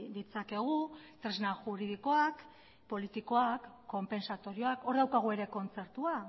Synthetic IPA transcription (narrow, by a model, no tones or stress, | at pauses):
d̪it͡sake̞ɣ̞ut̪ɾe̞znaʝuɾiðiko̞ak | po̞lit̪iko̞akːo̞mpe̞nsat̪o̞ɾio̞ako̞ɾðawkaɣ̞ue̞ɾe̞ko̞nt͡se̞ɾt̪ua